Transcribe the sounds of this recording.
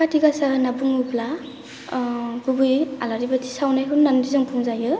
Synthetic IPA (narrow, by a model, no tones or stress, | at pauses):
katʰiɡasanabuŋupla | ɡubujalaɾibatʰi̥sawnajɦunːandizɯŋpʰumzajɯ